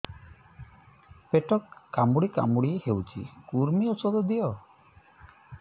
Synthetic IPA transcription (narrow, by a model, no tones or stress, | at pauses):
peʈɔkːamuɽika̰muɽiehewt͡ʃʰḭkuɾmiɔsɔd̪ɔd̪ijɔ